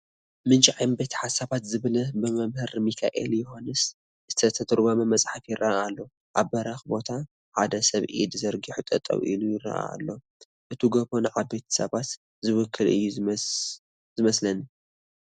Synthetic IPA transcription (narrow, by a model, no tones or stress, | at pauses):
mɨnt͡ʃʼʕajmbet̪ʰħasaβat̪zɨβlɐbɨmɐmhɨɾmikʰa̰ʔḛljɪho̞nɨs | z̥ɨt̪ʰɐt̪ʰɐt̪ʰʼɨɾbɐmɐmɐt͡sʼħafjɪrʔɐʔaalːo̞ | ʔaβːɐɾaxbo̞t̪ʰa | ħad̪ɐsɐβʔḭd̪zɐɾɡiħut̪ʼɐ̰t̪ʼɐ̰wʔḭlujɪrɐ̰ʔa̰a̰lːo̞ | ʔɨt̪ʰuɡɐβonʕabet̪ʰi̥sɐ̰βat̪ | zɨwʊkʰːɨlɨ̰jːu | zɨmɐslɐn